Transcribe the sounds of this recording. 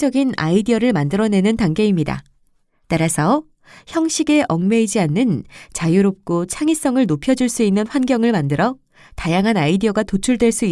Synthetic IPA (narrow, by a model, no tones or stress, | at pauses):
d͡ʑʌɡina̰idiʌɾɯɭmandɯɾʌne̞nɯntaŋɡe̞imɲida̰ | taɾasʰʌ | çjʌŋɕ͈ʰiɡe̞ʔʌŋme̞id͡ʑianːɯnt͡ɕajuɾop̚k͈ot͡ɕʰaŋis͈ʌŋɯɭnopʰjʌd͡ʑuɭs͈uinːɯnɸwanɡjʌŋɯɭmandɯɾʌ | tajaŋɦanaidiʌɡatot͡ɕʰuɭdwe̞ɭs͈ui